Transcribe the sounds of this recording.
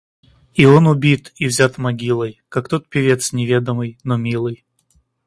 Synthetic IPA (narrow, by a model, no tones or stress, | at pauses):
io̞nʊbʲit̪ivzʲat̪mɐɡʲilˠəjkak̚t̪o̞t̪̚pʲɪvʲe̞t̪snʲɪvʲe̞d̪əmɨjnomʲilˠɨj